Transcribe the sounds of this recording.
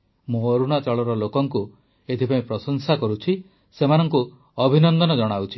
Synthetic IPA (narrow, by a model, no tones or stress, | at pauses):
mũoɾuɽ̃at͡ʃɔɭɔɾɔlokɔŋku | et̪ʰipaĩpɾɔsɔŋsakɔɾut͡ʃʰi | semanɔŋku | ɔbʱinɔnd̪ɔnɔd͡ʒɔɽ̃awt͡ʃʰi̥